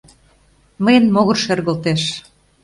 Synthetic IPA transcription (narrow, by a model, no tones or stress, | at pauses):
məjənmoɣɤ̆rʃerɣə̆lt̪eʃ